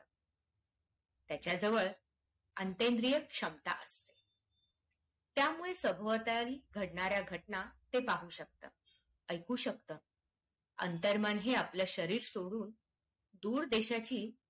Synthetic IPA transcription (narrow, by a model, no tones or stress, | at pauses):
t̪jat͡ɕjad͡zəʋəɭ | ənt̪end̪ɾijəkʂəmt̪a̰ʔəst̪e̥ | t̪jamuɭesəbʱəʋt̪aliːɡʱəɽɳaɾjaɡʱəʈɳat̪epaɦuːɕək̚t̪ə̰ː | əjkuːɕək̚t̪əː | ə̰nt̪əɾmanɦeapljaɕəɾiːɾsoɽuːn | d̪uːɾd̪eɕat͡ɕiː